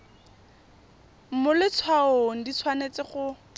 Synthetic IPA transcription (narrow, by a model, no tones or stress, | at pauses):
m̩mʊlɪt͡sʰwaoŋ̩dit͡sʰwanet͡sɪχʊ